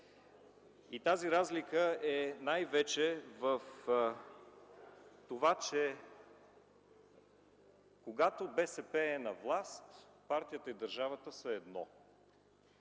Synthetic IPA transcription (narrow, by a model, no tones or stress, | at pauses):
it̪aziɾazlikəɛnajvɛt͡ʃɛvəf | t̪ovat͡ʃɛ | koɡat̪obɛsɛpɛːnɐvlˠast̪paɾt̪ijət̪əid̪əɾʒavət̪əsəɛd̪nɔ̰